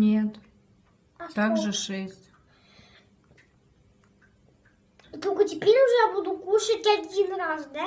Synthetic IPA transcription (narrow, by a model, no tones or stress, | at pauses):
nʲet̪ | at̪akʒʐɨʂɛsʲtʲ | t̪okət̪ʲipʲeɾʲuʒɛjabud̪ukuʃətʲad̪ʲinɾazd̪ɛ